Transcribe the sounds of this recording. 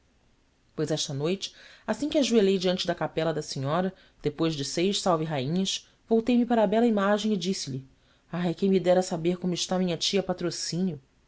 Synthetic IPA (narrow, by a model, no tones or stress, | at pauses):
pojzɛʃt̪ɐnojt͡ʃɪ̥asĩkʲɪaʒuelejd͡ʒiɐ̃nt͡ʃɪd̪ɐkapɛlɐd̪ɐsĩɲɔɾɐ | d̪̥epojzd͡ʒɪsejʃsawvɪɦaĩɲɐs | vowt̪ejmɪpaɾɐbɛlɐimaʒẽɪd͡ʒisɪʎɪ | aɦekʲẽjmid̪ɛɾɐsabeɾkõmʊɪʃt̪amĩɲɐt͡ʃiɐpat̪ɾosĩnjʊ